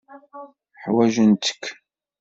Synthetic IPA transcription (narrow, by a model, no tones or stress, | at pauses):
ħwæʒənt̪ə̥kʰː